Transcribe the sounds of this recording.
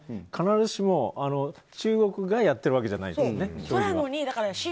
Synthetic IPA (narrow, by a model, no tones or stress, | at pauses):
kʰanaɾɯɕimo̞ano̞ | t͡ɕɨːɡo̞kɯ̟ɡajat̪ːeɾɯβake̞d͡ʑana̰ḭd̪snessoooɲ̟id̪akaɾaɕi